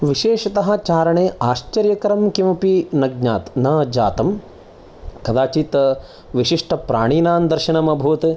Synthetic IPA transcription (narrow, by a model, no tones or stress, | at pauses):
ʋiʃeːʃɐt̪ɐɦɐ̆t͡ʃaːɾɐɳeːaːʃt͡ʃɐɾjɐkɐɾɐmkimɐpinɐɡ̚ɲaːt̪nɐd͡ʒaːt̪ɐm | kɐd̪aːt͡ʃit̪ɐ | ʋiʃiʂʈɐpɾa̰ːɳiːnaːnd̪ɐɾʃiɳɐmɐbʱuːɐt̪e